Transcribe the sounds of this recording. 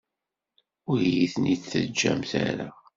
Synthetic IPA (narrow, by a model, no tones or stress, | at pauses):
ʊɾjiθniθə̰d͡ʒːæmθæ̰ɾæ